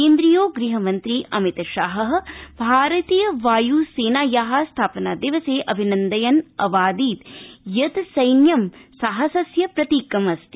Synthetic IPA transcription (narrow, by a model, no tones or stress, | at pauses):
eːnd̪ɾijoːɡɾiɦɐmɐnt̪ɾiːʔɐmit̪ɐʃaːɦɐɦɐ̆bʱaːɾɐt̪iːjɐʋaːjuːseːnaːjaːɦaːst̪ʰaːpɐnaːd̪iʋɐseːʔɐbʱinɐnd̪ɐjɐnɐʋaːd̪iːt̪jɐt̪sɐjnjɐmsaɦɐsɐsjɐpɾɐt̪iːkɐmɐst̪i